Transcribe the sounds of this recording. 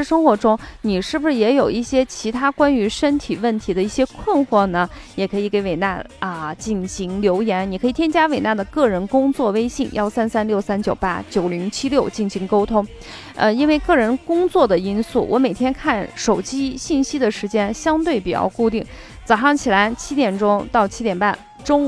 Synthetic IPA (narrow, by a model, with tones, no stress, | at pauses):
ʂɻ̩˥˩ʂɤ˥ŋxwɔ˧˥ʈ͡ʂʊ˥ŋni˨˩ʂɻ̩˥˩bu˩ʂɻ̩˥˩jɛ˧˥jo˨˩ʊi˥˩ɕjɛ˥t͡ɕʰi˧˥t̪ʰa˥kwa˥ny˧˥ʂə˥nt̪ʰi˨˩wə˥˩nt̪ʰi˧˥d̪ə˧i˥˩ɕjɛ˥kʰwə˥˧nxwɔ˥˩nə˩jɛ˨˩kʰɤ˧˥i˨˩ke˧˥ɪwe˨˩ɪna̰˥˧ə˧t͡ɕi˥˩nɕi˧˥ŋljo˧˥ʊjɛ˧˥nni˨˩kʰɤ˧˥i˨˩t̪ʰjɛ˥nt͡ɕja˥we˨˩ɪna˥˩d̪ə˩kɤ˥˩ɻə˧˥nkʊ˥ŋt͡swɔ˥˩we˥ɪɕi˥˩ŋjɑ̰˥˩ʊsa˥nsa˥nljo˥˩ʊsa˥nt͡ɕjo˨˩ʊpa̰˥t͡ɕjo˨˩ʊli˧˥ŋt͡ɕʰi˥ljo˥˩ʊt͡ɕi˥˩nɕi˧˥ŋko˥ʊt̪ʰʊ˥ŋ | ə˧i˥nwe˥˧ɪkɤ˥˩ɻə˧˥nkʊ˥ŋt͡swɔ˥˩d̪ə˩i˥nsu˥˩wʔɔ̰˧˥me˨˩ɪt̪ʰjɛ˥nkʰa˥˩nʂo˨˩ʊt͡ɕi˥ɕi˥˩nɕi˥d̪ə˨ʂɻ̩˧˥t͡ɕjɛ˥nɕjɑ˥ŋt̪we˥˩ɪpi˨˩t͡ɕjɑ̰˥˧ʊku˥˧t̪i˥˩ŋ | t͡sɑ˨˩ʊʂɑ˥˩ŋt͡ɕʰi˨˩la˧˥ɪt͡ɕʰi˥t̪jɛ˨˩nʈ͡ʂʊ˥ŋt̪ɑ˥˩ʊt͡ɕʰi˥t̪jɛ˨˩npa˥˩n | ʈ͡ʂʊ˥ŋ